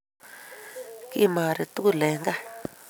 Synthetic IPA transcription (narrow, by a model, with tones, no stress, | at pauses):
ki˧ʔi˦mãː˨ɾe˨˧t̪u˦ku˦˨le˨˦ŋɡa˦˨